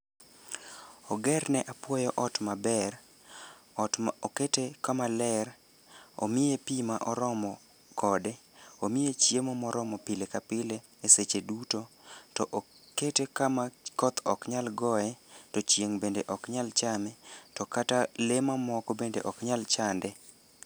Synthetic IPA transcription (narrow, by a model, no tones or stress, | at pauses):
ɔɡɛrnɛʔapwɔjɔʔɔtmabɛr | oketekamalɛɾ | o̰mɪjepimaʔɔɾɔmɔ | kɔdeomɪjet͡ʃjemɔmɔɾɔmɔpilekapɪle | eset͡ʃedutotɔʔ | ketekamakɔt̪ʰɔkɲalɡɔɛtɔt͡ʃjeŋbendeʔɔkɲalt͡ʃamɛtɔkatalemamɔkɔbendḛʔɔkɲalt͡ʃandɛ